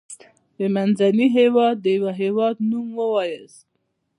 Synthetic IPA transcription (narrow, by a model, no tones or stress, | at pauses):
bemanzaniɦewɑd̪ːəjwaɦewɑd̪numwəwɑjəs